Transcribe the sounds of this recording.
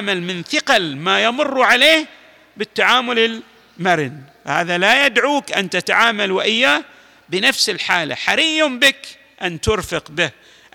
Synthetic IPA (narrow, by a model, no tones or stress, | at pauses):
malmɪnθɪqalmajamʊrˤːʕaleːh | bɪt̪ːaʕaːmʊlɪl | maɾɪnfha̰ːðalajad̪ʕuːkʔant̪at̪aʕaːmalwʔɪjːaː | bɪnafsɪlħaːla̰ħaɾiːʊmbɪk | ʔant̪ʊɾfɪqbɪh